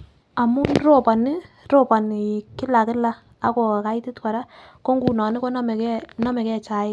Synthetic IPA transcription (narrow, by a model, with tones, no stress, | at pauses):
a˨mʊ˦ro˦˨pa˨nɪ˦ | ɾo˦˨pa˨n˨kɪ˦la˨kɪ˦la˦ | a˦ko˨ka˦ɪ˦tɪ˦tka˨ɾa˦ | ko˦ŋɡu˨nɔ˨nɪ˦ko˦n˦me˨kɛ˦nɔ˦me˨kɛ˦t͡ʃa˨ɪ˦